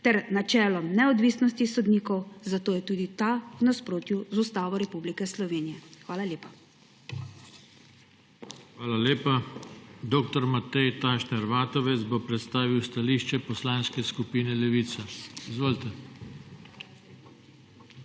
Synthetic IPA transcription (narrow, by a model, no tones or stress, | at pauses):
t̪ɛɾnat͡ʃɛːlɔmnɛɔd̪ʋiːsnɔst̪isɔd̪niːkɔwzat̪oːjɛt̪uːd̪it̪awnaspɾoːt̪juzust̪aːʋɔɾɛpublikɛslɔʋeːnijɛxʋaːlaljeːpa | xʋaːlaleːpad̪oːkt̪ɔɾmat̪ɛjt̪aʃnɛɾʋaːt̪ɔʋɛt̪zbopɾɛt̪st̪aːʋiwst̪aliːʃt͡ʃɛpɔslaːnskɛskupiːnɛlɛʋiːt̪sɛizʋoːlt̪ɛ